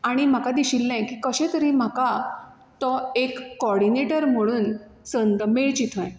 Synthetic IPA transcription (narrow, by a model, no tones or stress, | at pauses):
aɽ̃im̤akad̪iɕilːãjkiːkəɕẽt̪əɾĩm̤aka | t̪ɔekːɔɽineʈəɾm̤əɭ̃uːn | sənd̪meɭt͡ɕit̪ʰɔ̃j